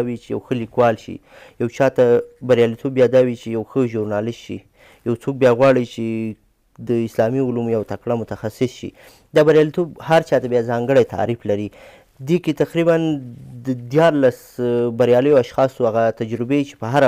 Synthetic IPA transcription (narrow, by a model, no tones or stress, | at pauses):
wit͡ʃeja̰wxəlikwɑlʃḭ | jawt͡ʃɑt̪abaɾjɑlit̪ʰobjɑd̪ɑwit͡ʃejawxəʒʊɾnɑlɪst̪ʃḭ | jawt͡sok̚bjɑɣwɑɽit͡ʃe | d̪əɪslɑmiʊlumjawt̪akɽamʊt̪axasɪsʃḭ | d̪abaɾjɑlit̪obhaɾt͡ʃɑt̪abjɑzɑŋɡəɽajt̪a̰ɾiflaɾi | d̪eket̪aqɾiband̪əd̪jɑɾlas | baɾjɑləjoaʃxɑsuaɣat̪ad͡ʒɾɪbet͡ʃe̥pəɦaɾa